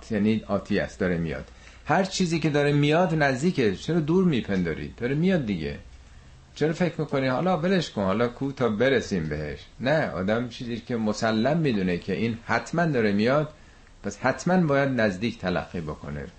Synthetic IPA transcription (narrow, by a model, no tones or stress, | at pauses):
jæniɒːt̪ʰiːæ̰st̪̚d̪ɒːɾemijɒ̰ːd̪̥ | hæɾt͡ʃʰiːziːce̞d̪ɒːɾemijɒd̪næzd̪iːcʰet͡ʃʰeɾɒːd̪uːɾmiːpʰend̪ɒ̰ːɾḭːd̪̚d̪ɒːɾemijɒːd̪̚ːiɟḛ | t͡ʃʰeɾɒːfe̞cʰɾmiːkoniːhɒ̰ːlɒːbeleʃkʰonhɒːlɒːkʰuːt̪ʰɒːbeɾesiːmbeheʃnæɒ̰ːd̪æmt͡ʃʰiːziːscʰʲemosælːæmːiːd̪uːnecʰe̞ʔiːnhæt̪ʰmænd̪ɒːɾemijɒd̪̥̚ | pʰæshæt̪ʰmænbɒːjæd̪næzd̪iːct̪ʰælæ̰ɡːiːbokʰo̞̰nḛ